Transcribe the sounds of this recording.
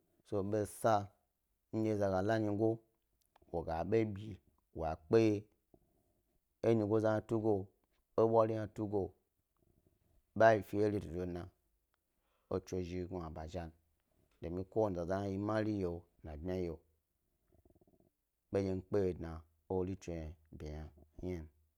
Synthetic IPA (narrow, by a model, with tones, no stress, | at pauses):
so˧ɓe˦sa˧ | n̩˦je˧˨za˧ɡa˨la˦ɲi˧˦ɡo˦ | wo˨ɡa˨ɓe˦bʲi˨ | wa˨k͡pe˦je˦ | e˦ɲi˧ɡo˦za˦n˧tu˦ɡo˧ | o˦ɓʷa˦ɾi˦na˧tu˦ɡo˧ | ɓa˦ji˨fi˦je˦li˦˨do˨o˨na˨ | o˦t͡ʃo˧˨ʒi˧˦ɡu˨a˨ba˨ʒa˦n | do˨mi˧ko˦wo˦˨za˨za˦a˦ji˧ma˦li˦je˨ | na˨bmʲa˦je˨ | ɓe˦je˧n̩˦k͡pe˦je˨dna˨ | o˦li˦t͡ʃo˨ja˨bʲe˨ja˨˦a˦n